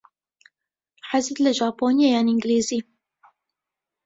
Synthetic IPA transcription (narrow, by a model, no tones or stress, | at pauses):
ħazɨt̪lɛʒɑːpoːnijejaːnɪŋɡleːziː